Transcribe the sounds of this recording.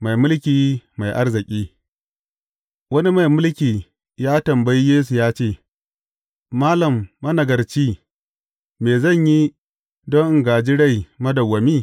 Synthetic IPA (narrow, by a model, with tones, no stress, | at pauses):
ma˨jmʊ˦lkʲiː˨ma˨jʔa˦rzɪ˨kʲʼiː˦ | wɐ˦ni˦ma˨jmʊ˦lkʲiː˨ | jaː˦tɐ˨mba˦ji˦jeː˦s̬u˨jaː˦t͡ʃeː˦˨ | maː˦lɐ˨mːɐ˦nɐ˨ɡɐ˨rt͡ʃiː˦ | meː˨zɐ˦˨ɲji˦ | dɔ˦ŋʔŋɡaː˨d͡ʒi˦ɽa˦˨jmɐ˦dɐ˨wːɐ˨miː˦˨